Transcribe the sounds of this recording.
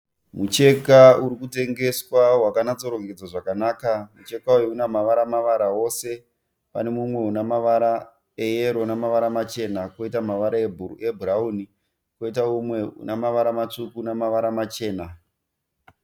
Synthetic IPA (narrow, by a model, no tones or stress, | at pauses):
mut͡ʃe̞kauɾikute̞ŋɡe̞swawakanad͡zo̞ɾo̞ŋɡed͡zaʐakanaːkamut͡ʃe̞kaujounamaʋaɾamaʋaɾao̞se̞ | pa̰ne̞mumwe̞unamaʋaɾa | ejeɾonamaʋaɾamat͡ʃe̞nako̞itamaʋaɾaebʱurebʱurauni | ko̞itaumweṵnamaʋaɾamat͡ʂukunamaʋaɾamat͡ʃe̞ːna